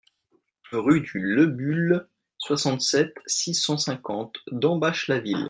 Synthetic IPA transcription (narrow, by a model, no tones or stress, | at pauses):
ʁyd̪yləbyl | swasɑ̃t̪sɛt̪sisɑ̃sɛ̃kɑ̃t̪d̪ɑ̃baʃlavil